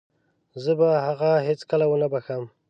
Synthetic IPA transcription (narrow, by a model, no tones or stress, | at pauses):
zəbahaɣaɦet͡skəlawənabaxəm